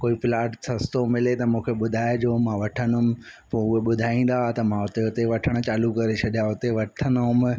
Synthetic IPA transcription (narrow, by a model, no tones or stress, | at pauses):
koːipɪlaːʈsɐst̪omɪlet̪ɐmũːkʰeɓʊd̪ʱaːed͡ʑoːmãʋɐʈʰənʊmɪ̆poʊɦeɓʊd̪ʱaːĩːn̆d̪aat̪ɐmãʊt̪eʊt̪eʋɐʈʰəɽ̃̆t͡ɕaːlukɐɾet͡ɕʰɐɗijaʊt̪eʋɐʈʰənʊɦʊm